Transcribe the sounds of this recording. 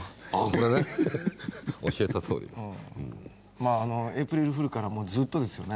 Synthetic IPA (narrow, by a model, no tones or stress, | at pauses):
ako̞ɾene | o̞ɕiet̪at̪ʰo̞̰ːɾḭd̪eɯ̃ | maːno̞epɯ̟ɾiɾɯ̟ɸɯ̟ɾɯ̟kaɾamo̞ːd͡zɨːt̪ːo̞d̪e̞sɨjo̞ne̞